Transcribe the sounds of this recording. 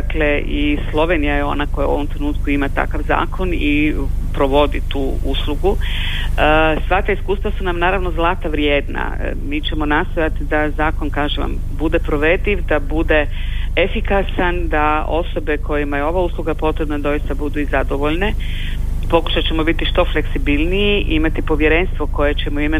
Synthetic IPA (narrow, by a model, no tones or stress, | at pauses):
kleʔislˠo̞ʋenijajeo̞̰nako̞ja̰uo̞ʋo̞mt̪ɾenuːt̪kuimat̪a̰kaʋza̰ːkʰo̞ni | pɾoʋo̞d̪it̪uː | uslˠuɡu | əsʋat̪aiskuːst̪ʋasunamnaːɾaʋnozlˠaːt̪aʋɾjeːd̪na̰ | miːt͡ɕe̞mo̞nast̪o̞jat̪id̪azaːko̞nkaːʒeʋa̰m | bud̪e̞pɾo̞ʋe̞d̪iʋd̪abud̪e̞efikasand̪ao̞so̞be̞ko̞jimajeo̞ʋauslˠuɡapo̞t̪ɾe̞bnad̪o̞jist̪abud̪uizad̪o̞ʋo̞ʎne̞ | po̞ku̥ʃat͡ɕe̞mo̞bit̪iʃt̪o̞fle̞ksibilnijiʔimat̪ipo̞ʋje̞ɾe̞nst̪ʋo̞ko̞jet͡ɕe̞moime